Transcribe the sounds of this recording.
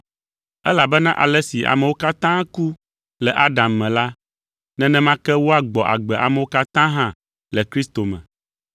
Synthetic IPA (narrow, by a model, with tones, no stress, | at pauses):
ɛ˦la˨bɛ˦nã˦ʔa̰˨lɛ˦si˨ʔa̰˨mɛ̃˨wo˦ka˦t̪ã˦ku˦ | lɛ˨ʔa˦ɖa˨mːɛ̃˨la˦ | nɛ̃˦nɛ̃˦mã˦kɛ˦wo˦a˨ɡ͡bɔ˨ʔa̰˨ɡ͡bɛ˨ʔa̰˨mɛ˨wo˦ka˦t̪ã˦ɦã˦ | lɛ˨kɾi˦st̪o˨mɛ̰̃˨